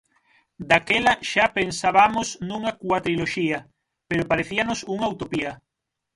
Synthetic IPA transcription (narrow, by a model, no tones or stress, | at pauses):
d̪akelaʃapensaβamosnũŋakwat̪ɾiloʃia | peɾopaɾeθianosuŋawt̪opia